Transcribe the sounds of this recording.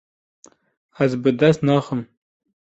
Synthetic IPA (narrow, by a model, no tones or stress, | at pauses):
æzbɨd̪æsnɑːχəm